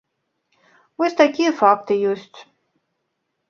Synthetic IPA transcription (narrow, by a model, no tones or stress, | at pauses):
vɔsʲt̪akʲijɛfakt̪ɨjɔsʲt͡sʲ